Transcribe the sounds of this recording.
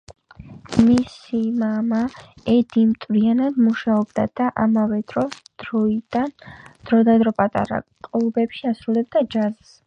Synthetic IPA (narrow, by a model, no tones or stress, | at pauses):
misimama | ɛd̪imt̪ʼvɾianad̪muʃaɔbd̪ad̪̥aʔamavɛd̪ɾɔsd̪̥ɾɔid̪and̪̥ɾɔd̪ad̪ɾɔpʼat̪ʼa̰ɾa̰kʼlˠubɛpʃiasɾulɛb̚d̪ad͡ʒazs